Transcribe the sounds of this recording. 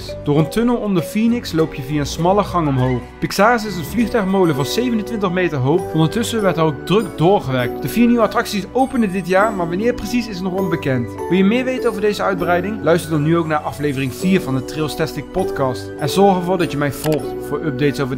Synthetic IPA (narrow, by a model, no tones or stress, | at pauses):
d̥ʊːɹəntɵnəlˠɔndəɹfinɪkslowpʰjəviːaənsmɑlˠəχɑŋɔmɦowχpɪksaːəsɪsənvliχtœɥχmowləvʊːɹzejvənəntʋɪntəχmejtəɹɦowpɔndəɹtɵsəʋɛɹtɛrowɡ̚drɵkdʊːɹχəʋɛɹk̚td̥əviːɹniʋəɑtrɑksisowpəndədɪtjaːɹmaːɹʋɑnɪːɹprəsisɪsənrɔnt̚bəkɛntʋɪlˠjəmɪːɹʋejtənowvəɹdejzəœɥd̚brɛjdɪŋlœɥstəɹdɑnːyowknaːɹʔɑflejvərɪŋv̥iːɹvɑndətrɪlˠstɛstɪk̚pɔtkɑstʔɛnzɔɹχəvʊːɹdɑtjəmɛjv̥ɔlˠχtfʊːɹɵp̚dejtsowvə